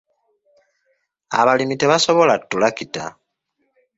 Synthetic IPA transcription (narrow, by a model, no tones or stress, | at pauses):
a̰βalimiteβaso̞βo̞latːulakita̰